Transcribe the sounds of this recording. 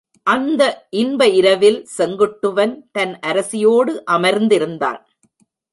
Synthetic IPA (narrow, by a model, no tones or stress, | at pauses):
ʔɐnd̪ɐʔɪnbɐɪɾɐʋɪlsɛŋɡɯʈːɯʋɐnt̪ɐnʔɐɾɐsɪjoːɽɯʔɐmɐɾnd̪ɪɾɯnd̪a̰ːn